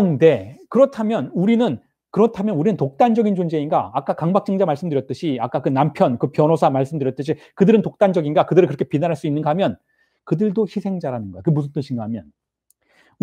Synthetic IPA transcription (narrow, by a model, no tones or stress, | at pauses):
nde̞kɯɾʌtʰamjʌnuɾinɯn | kɯɾʌtʰamjʌnuɾinɯntok̚t͈and͡ʑʌɡind͡ʑond͡ʑe̞inɡa̰ːk͈akaŋbak̚t͡ɕ͈ɯŋd͡ʑamaɭs͈ɯmdɯɾjʌt͈̚ɯɕʰiak͈akɯnampʰjʌnkɯpjʌnosʰamaɭs͈ɯmdɯɾjʌt͈ɯɕʰi | kɯdɯɾɯntok̚t͈and͡ʑʌɡinɡakɯdɯɾɯɭkɯɾʌkʰepinanɦaɭs͈uinːɯnɡʌɦamjʌn | kɯdɯɭdoçisʰe̞ŋd͡ʑaɾanɯnɡʌjekɯmusʰʌt͈ɯnɕʰinɡaɦamjʌn